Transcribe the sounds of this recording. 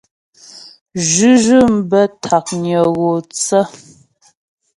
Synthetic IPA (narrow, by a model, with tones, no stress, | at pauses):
ʒʉ˦ʒʉ˦˨m̩˦bə˦tʰa˨k̚ɲə˨ɣo˨t͡sə˦